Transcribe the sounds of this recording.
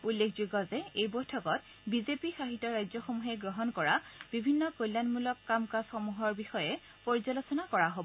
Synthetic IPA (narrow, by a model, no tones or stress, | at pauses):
ulːekʰzuɡɔzɛejbojtʰɔkɔt | bizepixaɦitːɔɹajzɔxɔmuɦɛɡɹɔɦɔnkɔɹabibʱinːɔkojlːanmulɔkːamkasxɔmuɦɔɹbixɔjɛ | pɔɹizalosɔnakɔɹaɦob